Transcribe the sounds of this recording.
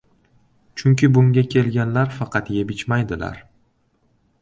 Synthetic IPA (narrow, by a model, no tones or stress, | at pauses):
t͡ʃʰʊŋkʲɪbʊŋɡʲakʲʰe̞lɡʲanlaɾfɑqʰɑt̪jebɪt͡ʃmajd̪ɪla̰ɾ